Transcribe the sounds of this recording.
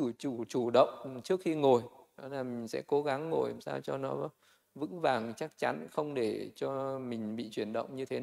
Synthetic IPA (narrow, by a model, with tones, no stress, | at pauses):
ɨ˧˩t͡ɕu˧˩t͡ɕu˧˩ɗə̰˧˨wŋ͡mt͡ɕɨ˦˥ək̚xi˧ŋo˨˩jɗɔ˨˦laː˨˩mï˨˩ŋ̟sɛ̰˧˥ko˨˦ɣa˨˦ŋːo˨˩jsaː˧wt͡ɕɔ˧nɔ˨˦ | vɨ̰˧˥ŋvaː˨˩ŋt͡ɕa˦˥k̚t͡ɕa˨˦nxə˧wŋ͡mɗe˧˩t͡ɕɔ˧mï˨˩ŋ̟ɓḭ˧˨t͡ɕwi˧˩ənɗə̰˧˨wŋ͡mɲɨ˧t̪ʰe˨˦˨